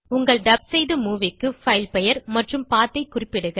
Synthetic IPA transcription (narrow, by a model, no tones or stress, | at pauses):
ʊŋɡɐɭɖɐb̚sɐjðɯmuːʋɪkːɯfɐɪlpɛjɐɾmɐʈrɯmpaːt̪ːɐɪkːʊrɪpːɪɽɯɣɐ